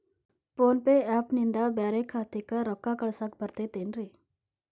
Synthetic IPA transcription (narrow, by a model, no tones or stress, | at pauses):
poːnpeɛːpnɪnd̪abɛːɾekʰːaːt̪ekəɾɔkːakəɽsak̚bʱəɾt̪et̪eːnɾeː